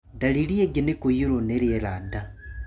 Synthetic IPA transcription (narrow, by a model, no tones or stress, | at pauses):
daliɾieɡenekojuɾoneɾeeɾada